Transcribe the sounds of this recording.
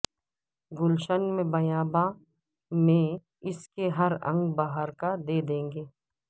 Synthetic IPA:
ɡʊlʃənmẽbɐjaːba | mẽ | ɪskeɦɐɾɐ̰̃ŋɡbaːɦəɾkad̪eːd̪ẽːŋɡeː

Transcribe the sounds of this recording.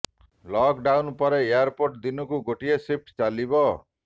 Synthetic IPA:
lɔkɖawnpʌɾeeaɾpoʈd̪inukuɡoʈiesip̚ʰʈt͡salibɔ

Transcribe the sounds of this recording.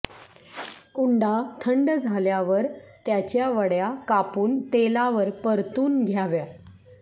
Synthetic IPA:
uɳɖat̪ʰəɳɖd͡zʱaljaʋəɾt̪jat͡ɕjaʋəɽjakapuːnt̪elaʋəɾpəɾt̪uːnɡʱjaʋja

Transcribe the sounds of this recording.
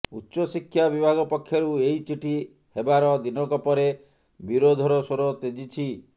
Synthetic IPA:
utːʃɔsikʰːjabibʱaɡɔpɔkʰːjɔɾueɦit͡ʃiʈʰi | hebaɾɔd̪inɔkɔpɔɾe | biɾod̪ʱɔɾɔsoɾot̪ed͡ʒit͡ʃʰi

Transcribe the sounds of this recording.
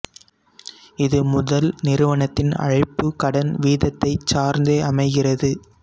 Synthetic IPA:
ɪðɯmʊðɐlnɪɾɯʋɐɳɐt̪ːɪnɐ̰ɻɐɪpːɯkɐɽɐnʋiːðɐt̪ːɐɪt͡ʃːaːɾnd̪eɐmɐɪɣɪrɐðɯ

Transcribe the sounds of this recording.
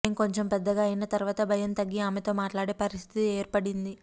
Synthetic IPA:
mko̞ɲt͡ʃempɛd̪ːɐɡaːɐjinɐt̪ɐɾuʋaːt̪ɐbʱɐjɐnt̪ɐɡːiaːmet̪o̞ːmaːʈlaːɽe̞ːpɐɾist̪ʰit̪ieːɾpɐɽind̪i

